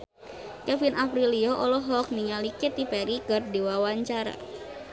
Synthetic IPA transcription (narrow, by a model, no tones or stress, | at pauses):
kɛfinapɾiliɔʔɔlɔɦɔk̚niŋalikɛt̪ipɛɾikərdiwawaɲt͡ʃaɾa̰